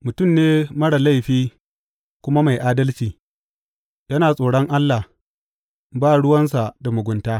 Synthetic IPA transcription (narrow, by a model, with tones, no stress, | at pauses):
mʊ˨tʊ˦˨mneː˦mɐ˦ɽa˨la˦jɸiː˦ | kʷʊ˦ma˦ma˨jʔaː˦dɐ˦lt͡ʃiː˨ | jɐ˦naː˨sʼoː˨ɽɔ˦ŋʔa˦lːa˨h | baː˦˨ɽʊ˦wɐ˦ns̬a˨da˨mʊ˨ɡʷʊ˨ntaː˦